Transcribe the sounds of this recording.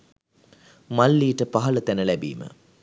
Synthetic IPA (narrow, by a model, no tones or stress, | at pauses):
malːiːʈəpaɦɐlɐt̪ænəlæbḭːmə̰